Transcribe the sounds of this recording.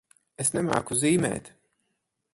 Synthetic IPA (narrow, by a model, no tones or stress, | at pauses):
esnɛma̰ːkuziːmɛ̰ːt̪